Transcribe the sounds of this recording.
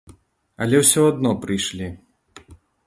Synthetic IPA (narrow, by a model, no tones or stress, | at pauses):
ɐlʲɛwsʲɔad̪nɔpɾɨjʂlʲi